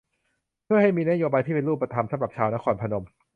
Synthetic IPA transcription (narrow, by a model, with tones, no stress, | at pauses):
pʰɯ˥˩əha˥˩jmiː˧na˥joː˧baː˧jt̪ʰiː˥˩pe˧luː˥˩pːɾa˧t̪ʰa˧msa˨˦mɾa˨˩p̚t͡ɕʰaː˧wna˦˥˩kʰɔː˧npʰa˧no˧m